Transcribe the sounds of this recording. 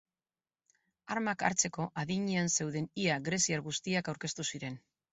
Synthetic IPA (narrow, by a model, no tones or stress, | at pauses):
aɾmaka̰ɾt͡se̞ko̞ʔaðiɲeanse̞wðe̞niaɣɾe̞siaɾɣust̪iakawɾke̞st̪usiɾe̞n